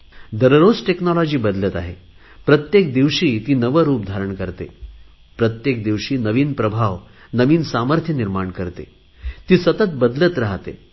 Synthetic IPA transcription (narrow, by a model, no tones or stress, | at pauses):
d̪əɾɾod͡zʈeknɔlɔd͡ʑiːbəd̪lət̪aɦe | pɾət̪jek̚d̪iʋɕiːt̪iːnəʋəɾuːp̚d̪ʱaɾəɳkəɾt̪ḛ | pɾət̪jek̚d̪iʋɕiːnəʋiːnpɾəbʱaʋ | nəʋiːnsaməɾt̪ʰjəniɾmaɳkəɾt̪ḛ | t̪iːsət̪ət̪̚bəd̪lət̪ɾaɦt̪ḛ